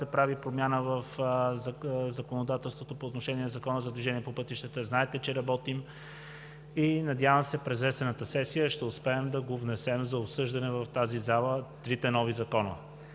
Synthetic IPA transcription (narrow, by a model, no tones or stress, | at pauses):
ɛpɾavipɾomʲjanəvəf | zɐkonod̪at̪ɛlˠst̪vot̪opoːt̪noʃɛniɛnɐzɐkɔnəzɐd̪viʒɛniɛpopɤt̪iʃt̪ɛt̪əznaɛt̪ɛt͡ʃɛɾɐbɔt̪im | inɐd̪javəmsɛpɾɛzvɛsɛnət̪əsɛsijəʃt̪ɛʊspɛːmd̪ɐɡovnɛsɛmzɐopsɤʒd̪ɐnɛvɐft̪azizalˠət̪ɾit̪ɛnɔvizɐkɔnə̰